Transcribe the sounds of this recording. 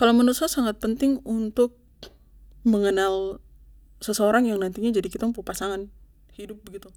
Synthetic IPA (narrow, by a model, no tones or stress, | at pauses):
kalomanusasaŋat̪̚pənt̪ɪŋunt̪ʊk̚ | məŋənal | səsəoɾaŋjaŋnant̪iɲad͡ʒadikit̪ampupasaŋan | hidʊp̚bəɡit̪u